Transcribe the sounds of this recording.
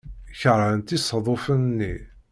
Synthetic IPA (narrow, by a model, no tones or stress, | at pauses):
çəɾˤʕənt̪isˤðˤofənnːi